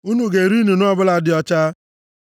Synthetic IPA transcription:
u˦nu˨ɡe˨ɾi˦nu˨nʊ˦ɔ˦bʊ˦la˦dɪ˨˦ɔ˦t͡ʃa˦

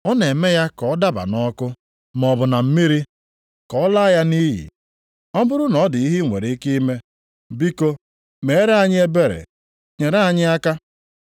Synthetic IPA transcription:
ɔ˦ne˨me˦ja˦kɔ˨˦da˦ba̰˨nɔ˦kʊ˦ | m˨ɔ˨bʊ˨na˨m̩˦mi˦ɾi˦ | kɔ˨ɔ˦la˦ja˦ni˦ɦḭ˨ | ɔ˦bʊ˦ɾʊ˦nɔ˨˦dɪ˨i˦ɦi˦ŋʷḛ˨ɾi˨i˦ki˦i˦me˦ | bi˦ko˦ | me˨˦ɾa˨ɲɪ˦e˦be˦ɾḛ˨ | ɲe˨ɾa˦a˦˨ɲɪ˦a˦ka˦

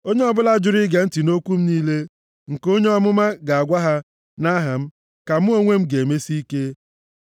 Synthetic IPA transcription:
o˦ɲe˦ɔ˦bʊ˦la˦d͡ʒʊ˨ɾi˦ɡe˨n̩˦ti˨no˦kʷu˦m̩˦niː˦le˦ | ŋ̩˨ko˦ɲe˦ɔ˦mʊ˦ma˦ɡa˨a˨ɡʷa˦ɦa˦ | na˦ɦa˨m̩˦ | ka˨m̩˦o˦ŋʷe˦m̩˦ɡe˨me˦si˦i˦ke˦

